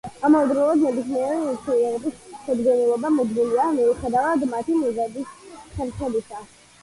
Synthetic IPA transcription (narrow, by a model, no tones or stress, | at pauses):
amɔvd̪ɾɔlˠɔd̪nɛbismiɛɾiuɾsʰɛniɛɾɛbisʃɛd̪ɡɔnɛlˠɔbamud̪miliamiuχɛd̪avad̪mat̪ʰimɔzab̪isχɛɾsɛd̪isa